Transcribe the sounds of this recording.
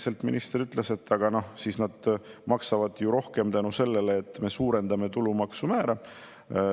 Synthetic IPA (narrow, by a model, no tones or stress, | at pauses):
se̞lt̪mḭnist̪ɾyt̪ːˑlese̞t̪ːɑɡ̥ɑno̞hsiːsnɑd̪̥mɑksɑvɑd̪̥juɾo̞hke̞mt̪ænuse̞lːe̞leːt̪ˑːme̞suːɾe̞nd̪ɑme̞t̪ulumɑksumæːɾɑ